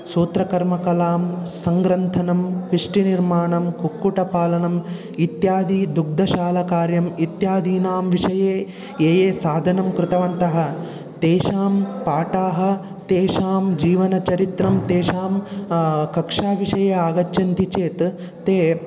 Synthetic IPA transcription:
suːt̪ɾɐkɐɾmɐkɐlaːmsɐŋɡɾɐnt̪ʰɐnɐmʋɪʂʈiniɾmaːɳɐmkukːuʈɐpaːlɐnɐm | it̪jaːd̪ʱid̪uɡ̚d̪ʱɐʃaːlɐkaːɾjɐmit̪jaːd̪ʱiːnaːmʋiʂɐjeː | eːjeːsaːd̪ʱɐnɐmkɾɪt̪ɐʋɐnt̪ɐɦɐ̆ | t̪eːʃaːmpaːʈaːɦɐ̆ | t̪eːʃaːmd͡ʒiːʋɐnɐt͡ʃɐɾit̪ɾɐmt̪eːʃaːm | kɐkʂaːʋiʂɐjeːaːɡɐt͡ʃːjɐnt̪it͡ʃeːt̪ː | eː

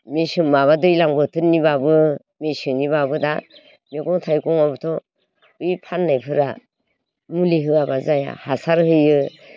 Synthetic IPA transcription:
mesɯŋmaβadɯjlaŋbɯtʰɯnːibabɯ | mesɯnibabɯda | meɡɔŋtʰajkɔŋabɯtʰɔ | ujpʰanːajpʰɯɾa | muliɦɯabazaja̰hasaɾhɯjɯ

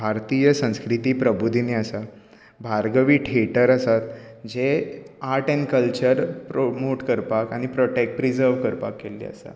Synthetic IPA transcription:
bʱaɾt̪ijəsə̃w̃skɾit̪iːpɾəbud̪ʱineəsa | bʱaɾɡəʋiːʈʰeʈəɾəsat̪d͡ʑeaɾʈenkəlt͡ɕəɾpɾomoʈkəɾpakaɽ̃ipɾɔʈek̚ʈɾid͡zəɾʋkəɾpakːelḭə̰sa̰

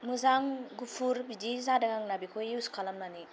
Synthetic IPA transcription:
muzaŋɡupʰuɾbidizadaɡaŋnabikʰojuskʰalamnani

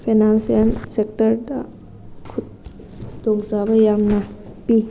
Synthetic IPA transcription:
pʰenansiansek̚tɐɾdɐ | kʰut̚ | dɔŋzabɐjamnɐpi

